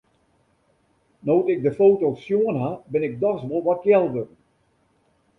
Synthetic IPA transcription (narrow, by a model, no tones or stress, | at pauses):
nowtɪɡ̚dəfoːtoːsjoənɦabɪnɪk̚dɔsʋolˠʋɔt̚jɛlˠʋərn